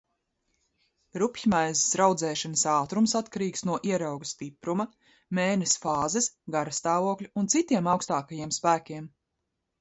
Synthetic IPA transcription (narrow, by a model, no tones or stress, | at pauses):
ɾupçmajzɪsɾawd̪zɛːʃanɐsaːt̪ɾumsat̪kaɾiːksnuɔʔiɛɾawɡust̪ipɾumɐ | mɛːnɛsfaːzɛsɡaɾɐst̪aːvuɔklʲuːnt̪sit̪iɛmɑwkst̪aːkajiɛmspæːkʲiɛm